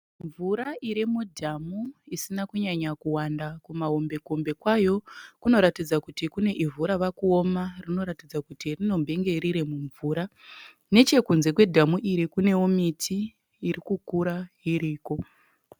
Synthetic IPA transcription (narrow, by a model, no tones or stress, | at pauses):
ɱvuɾaʔiɾimudʱamuisinakuɲaɲakuwandakumaɦombe̞kombe̞kwajo̞kuno̞ɾatid͡zakutikune̞ʔivuɾaʋakuo̞marino̞ɾatid͡zakutirino̞mbʱe̞ŋɡe̞ɾiɾe̞muɱvuːɾa | ne̞t͡ʃe̞kunze̞kwe̞dʱamuʔiɾikune̞womitʰiː | ɾikukuɾaɦiɾiːko̞